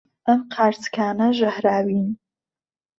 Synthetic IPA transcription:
əmqʰart͡sʰkʰʲaːnɨʒʷahraːɥin

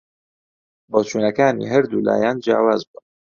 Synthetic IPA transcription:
boːt͡ʃʰuːnɐkaːnḭːɦɐɾd̪ula̰ːjaːnd͡ʒa̰ːwaːzbun

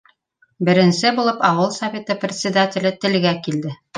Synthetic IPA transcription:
bɘ̆ɾɘ̆nsɘbulˠɤpɑwɤlˠsɐvʲe̞t̪ɤprʲɪt̪sʲɪd̪atʲɪlɘt̪ɘ̆lɡækild̪ɘ

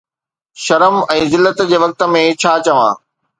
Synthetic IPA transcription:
ʃɐɾəmɛ̃ːzɪlːət̪d͡ʑeːʋɐk̚t̪ə̆mẽt͡ɕʰaːt͡ɕɐʋãː

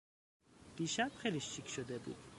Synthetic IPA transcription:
d̪̥iʃab̥χeliʃt͡ʃʰikʰʃod̪ebṵd̪̥

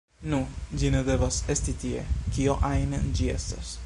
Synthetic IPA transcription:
nud͡ʒined̪e̞vasestit̪iḛkioʔajnend͡ʒie̞̰stas

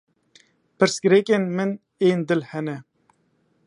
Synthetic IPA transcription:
pɨɾskɨɾekenmɨn | eːnd̪ɨlhɛnɛ

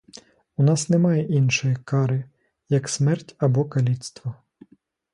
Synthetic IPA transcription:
unɑsnɛmɑjɛʔinʃɔjikɑɾɪ | jɐksmɛrtʲɐbɔkɐlʲit̪st̪ʋɔ

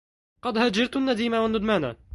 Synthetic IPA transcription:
qɑd̪had͡ʒɑɾt̪anːad̪iːmawanːʊd̪maːna̰

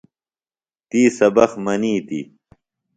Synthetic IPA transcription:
t̪iːsɐbɐxmɐniːt̪ḭ

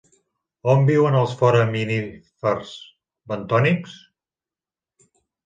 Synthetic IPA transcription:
ɔmbiwənəlˠsfɔɾəminifəɾz | bənt̪ɔniks

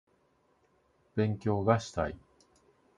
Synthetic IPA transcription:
b̥ẽ̞ŋkʲo̞ːɡaɕi̥t̪a̰i

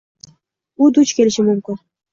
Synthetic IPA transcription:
ud̪ut͡ʃkʰʲe̞lɪʃɪmʊmkʲɪn

